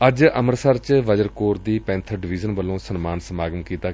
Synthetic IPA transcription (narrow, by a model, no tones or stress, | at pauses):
əd͡ʒəməɾsəɾt͡ʃʋəd͡ʒəɾkoːɾd̪iːpɛ̃ːnt̪ʰəɾɖɪʋizənbəlːõːsənmaːnsəmaːɡəmkiːt̪aː